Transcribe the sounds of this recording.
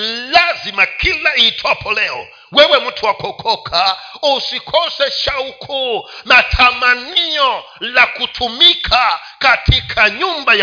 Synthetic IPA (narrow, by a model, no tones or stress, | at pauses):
lazimakʰilaitʰɔpʰɔlɛɔ̰ | wɛwɛmutʰuwakʰɔkʰɔkʰausikʰɔsɛʃaukʰɔmatʰamaniɔ | lakutʰumikʰa | katʰikʰaɲumbaja